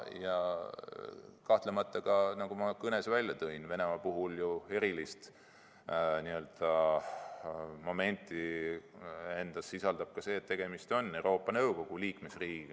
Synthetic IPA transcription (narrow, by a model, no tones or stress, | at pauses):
jɑ | kɑht̪lemɑt̪ːˑɑɡɑnɑɡumɑkɤne̞svælʲjɑt̪ɤinve̞ne̞mɑpuɦuljue̞ɾilist̪ | niø̞ld̪̥ɑ | mome̞nʲt̪ːˑi | e̞nd̪̥ɑsːisɑld̪ɑb̥̚kɑse̞ːt̪ːe̞ɡ̥e̞mist̪o̞nːewɾo̞ːpˑːɑnɤwko̞ɡ̥uliːkme̞sriːki